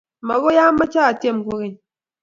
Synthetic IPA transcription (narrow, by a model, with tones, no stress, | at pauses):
ma˨ɣo˦ja˦ma˦t͡ʃa˦a˨tje˦˨m˨ku˦ɣi˦˨